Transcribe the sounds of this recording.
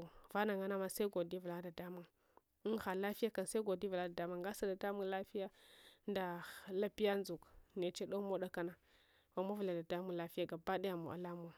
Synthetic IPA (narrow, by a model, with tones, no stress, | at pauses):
va˦na˨ŋa˦na˦ma˦sa˦ɡo˨di˦vu˨la˦da˨da˦mu˨ŋ˦ | xa˨la˦fi˦ja˦ka˨n˨sa˦ɡo˨di˦vla˦da˨da˦mu˨ŋɡa˦sa˨da˨da˦mu˦ŋla˦fi˦ja˦nda˨la˦pi˦ja˦n˦zu˨kne˨t͡ʃe˦ɗo˦mo˦ɗa˦ka˦na˨ | wa˨ma˦vu˨la˨da˨da˦mu˦ŋla˦fi˦ja˦ɡa˨ba˦da˦ja˨mṵ˨ʔa̰˨la˦m˨˦a˨